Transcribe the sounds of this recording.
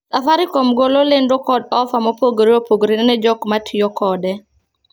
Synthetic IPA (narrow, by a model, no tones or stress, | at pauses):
safaɾikomɡololɪndokɔdɔfamɔpoɡɾiopoɡɾinnɛd͡ʒɔkmatʰjɔkɔdɛ